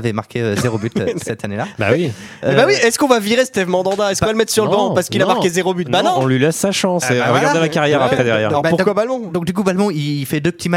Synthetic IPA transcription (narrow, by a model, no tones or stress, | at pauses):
vɛmaʁkʲʰeøzeʁobyt̪sɛt̪anelaba̰wiøbawiɛskɔ̃vaviʁesə̥t̪ɛvmɑ̃d̪ɑ̃d̪aɛskvaləmɛt̪χsyʁəbɑ̃paʁsə̥kilamãʁkezeʁobyt̪̚banɔ̃ɔ̃lɥilɛsːaʃɑ̃sʁəɡaʁd̪ɛlakaʁjɛʁapχɛd̪ɛʁjɛ̰ʁɔbapuʁkwabalmɔ̃d̪ɔ̃k̚d̪ykubalmɔ̃iifɛd̪øpə̥t̪ima